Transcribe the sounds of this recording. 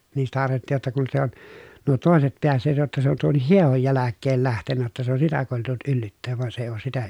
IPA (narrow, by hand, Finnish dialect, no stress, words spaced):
niːn sitæ ɑrʋeltːiˑj jotːɑ kun se on nuo toˑeset peæsːeːt jotːɑ se on tuonːih hiehoj jælækːeːl læhtenːæ jotːɑ se on sitæ koˑetelːut ylːytːeːʋ ʋŭɑn se ei oːs sitæ